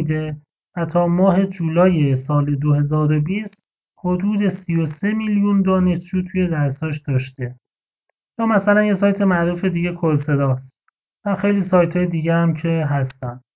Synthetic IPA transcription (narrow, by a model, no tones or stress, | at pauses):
d̪e̞ | væt̪ʰɒːmɒːɦe̞d͡ʒuːlɒːje̞sɒːle̞d̪ohe̞zɒːɾo̞biːst̪ | hod̪uːd̪e̞sijo̞se̞miljund̪ɒːne̞ʃt͡ʃuːt̪ʰuje̞d̪æɾshɒːʃd̪̥ɒːʃt̪e̞ | jɒːmæsælænjesɒːjt̪ʰe̞mæʔɾuːfe̞d̪iːɟe̞kʰoɾse̞d̪ɒːst̪ | væxe̞jliːsɒːjt̪ʰɒːjed̪iːɟehæmcʰe̞ɦæst̪ænd̪̥